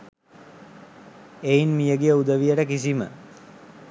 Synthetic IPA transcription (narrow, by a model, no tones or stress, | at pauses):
einmijəɡejəud̪əʋijəʈəkis̬imə̰